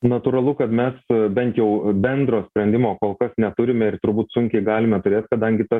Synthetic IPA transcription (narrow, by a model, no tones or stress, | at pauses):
nɐt̪uːɾɐlˠʊkɐt̪mʲɛsbʲɛnt̪jɛʊbʲɛnd̪ɾoːsʲpʲɾʲɛnʲd̪ʲɪmoːkoːlˠkɐsnʲɛt̪ʊɾʲɪmʲɛɪrt̪ʊɾbuːt̪sʊŋʲkʲɛɪɡɑːlʲɪmʲɛt̪ʊɾʲeːt̪kɐd̪ɐŋʲɡʲɪt̪ɐs